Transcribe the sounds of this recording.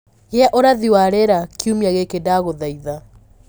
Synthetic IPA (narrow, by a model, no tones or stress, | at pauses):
ɣeaʔoɾaðiwaɾeɾakiumijaɣekedaɣoðaiða